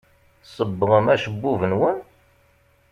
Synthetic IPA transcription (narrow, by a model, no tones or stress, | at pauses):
sˤəbːəʁəmæʃəbːuvənwən